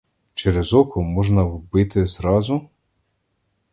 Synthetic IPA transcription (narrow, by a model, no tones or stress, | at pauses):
t͡ʃeɾezɔkɔmɔʒnɐwbɪt̪ɪzɾɑzʊ